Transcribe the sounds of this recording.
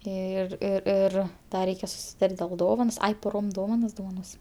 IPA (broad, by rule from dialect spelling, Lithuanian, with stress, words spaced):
ˈɪr ɪr ˈɪr ˈdɐ ˈrʲɛɪkʲɛ sʊsʲɪˈtɐrʲtʲ dʲeːlˠ ˈdoːʋɐnoːs ˈɐɪ poːˈroːm ˈdoːʋɐnɐs doːʋɐˈnoːsʲɪm